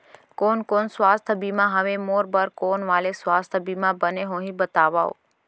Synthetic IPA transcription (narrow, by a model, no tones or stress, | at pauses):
koːnkoːnsʋaːst̪ʰəbimãɦəʋemoːɾbəɾkonʋaːlesʋaːst̪ʰbimãbəneɦõɦĩbət̪aʋa̰o̰